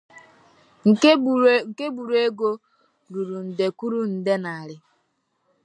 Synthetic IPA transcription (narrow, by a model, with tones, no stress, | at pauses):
ŋ̩˨˦ŋ̩˨ke˦bu˨ɾu˦e˦ɡo˦ | ɾu˨ɾu˨n̩˨de˨ku˦ɾu˦n̩˨de˦na˨a˨ɾɪ˦